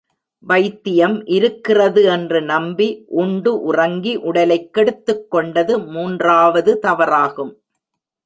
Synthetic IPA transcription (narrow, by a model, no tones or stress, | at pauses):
ʋɐɪt̪ːɪjɐmʔɪɾɯkːɪrɐðɯɛndrɯnɐmbiʔʊɳɖɯʔʊrɐŋɡiʔʊɽɐlɐɪkːɛɽɯt̪ːɯkːɔɳɖɐðɯmuːndraːʋɐðɯt̪ɐʋɐɾaːɣɯm